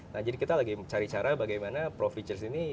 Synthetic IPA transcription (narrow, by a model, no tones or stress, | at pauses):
nahd͡ʒadikit̪alaɡit͡ʃaɾit͡ʃaɾabaɡajmanapɾofit͡ʃərsini